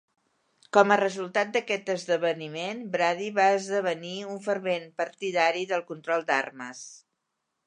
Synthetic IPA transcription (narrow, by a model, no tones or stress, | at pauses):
kɔmərəzulˠt̪at̪̚d̪əkɛt̪əzðəβənimenbɾaðiβaəzðəβəniuɱfəɾβenpəɾt̪iðaɾiðəlˠkunt̪ɾɔlˠd̪a̰rməs